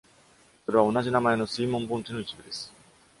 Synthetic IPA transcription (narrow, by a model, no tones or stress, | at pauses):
so̞ɾe̞β̞ao̞naʑinamae̞no̞sɨiːmõ̞mbõ̞nt͡ɕino̞it͡ɕibɯ̟d̪e̞sɨ̥